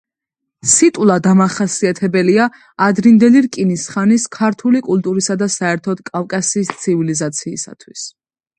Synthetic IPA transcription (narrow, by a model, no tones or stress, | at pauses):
sit̪ʼwlˠad̪amaχasiat̪ʰɛbɛliaː | d̪ɾind̪ɛliɾkʼinisχaniskʰaɾt̪ʰulikʼult̪ʼuɾisad̪asaɛɾt̪ʰɔd̪̥kʼafkʼasiːst̪sʰivilizat̪sʰiːsa̰t̪ʰwis